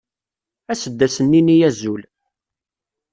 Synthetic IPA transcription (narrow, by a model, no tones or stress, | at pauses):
æsəd̪ːæsənːinijæzul